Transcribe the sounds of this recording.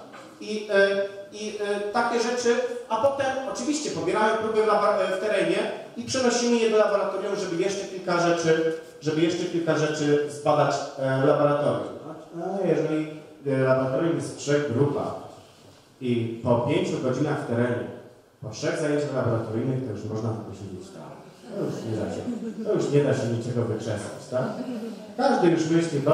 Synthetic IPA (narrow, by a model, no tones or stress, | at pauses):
i | it̪akʲɛʐɛt͡ʂɘapɔt̪ɛmɔt͡ʂɘvʲiɕt͡ɕɛpɔbʲjɛɾamɛpɾubɛvlabɔft̪ɛɾɛɲɛ | ipʂɛnɔɕimʲijɛd̪ɔlabɔɾat̪ɔɾjɔ̃w̃ʐɛbɘjɛʂt͡ʂɛkʲilkaʐɛt͡ʂɘ | ʐɛbɘjɛʂt͡ʂɛkʲilkaʐɛt͡ʂɘzbad̪at͡ɕlabɔɾat̪ɔɾʲjṵmajɛʐɛlʲi | labɔɾat̪ɔɾjumjɛst̪tʂɛɣɡɾupa̰x | ipɔpʲjeɲt͡ɕuɡɔd͡ʑinaxft̪ɛɾɛɲɛ̰ | pɔfʂɛɣzajeɲt͡ɕaxlabɔɾat̪ɔɾɘjnɨxt̪ɔjuʂmɔʐnat̪ɔpɔɕid͡ʑit͡ɕt̪a̰m | t̪ɔjust̪ʲimɾa̰d͡ʑɛ̰t̪ɔjuʂɲɛd̪aɕɛɲit͡ʂɛɡɔvɘkʂɛsa̰t͡ɕt̪ak | kaʐd̪ɘjuʂmɘɕtɛt̪ɔ